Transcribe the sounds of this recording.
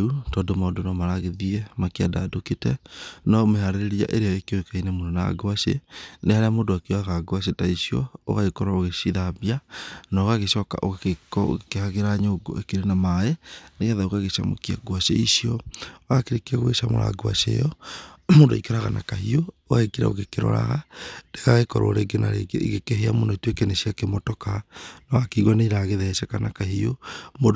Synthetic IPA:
utɔdomaodonamaɾaɣeðiɛmakeadadoketɛnɔmehaɾeɾeɾia̰ʔeɾeaekeoekainemonɔna̰ɡwasḛnehaɾeamoːndoakeɔaɣaɡwas̬etaisiɔ̰o̰ɣaɣekɔɾaoɣesiðabianaoɣaɣeʃɔka̰ʔoekkehaɣeɾaɲoɡo̰ekeɾenamaɛneɣaðaoɣaɣeʃa̰mo̰kia̰ɡwaʃḛisiɔoakeɾekiaɣweʃamo̰ɾa̰ɡwa̰ʃḛjɔmondoikeɾaɣanakahiooaekiɾa̰o̰ɣekeɾɔ̰ɾa̰ɣadekaɣekɔɾo̰ːɾeɡena̰ɾḛɣekeɦeamondoitwekɛnesiakemotɔkanɔɣakiɣwaneiɾaɣeðɛsɛkanakahiomo

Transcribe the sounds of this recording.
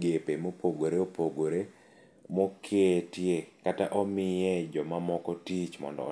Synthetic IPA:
ɡepemopoɡoɾeopoɡoɾe | mokʰeetjekataʔɔmɪjɛd͡ʒɔmamɔkɔtit͡ʃmɔ̰ndɔ̰

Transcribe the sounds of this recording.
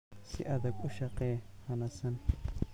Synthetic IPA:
sɪ̰ʔɐðɐɡʊʃɑqɛːhɐnɐsɐn

